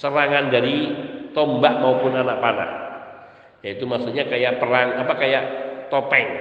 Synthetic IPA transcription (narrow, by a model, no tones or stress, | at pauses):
səɾaŋandaɾit̪ɔmbaʔmaupʊnanaʔ̚pana̰ʔ | jait̪umasuɲakajaʔpəɾaŋapakajaʔt̪ɔt̪ɛŋ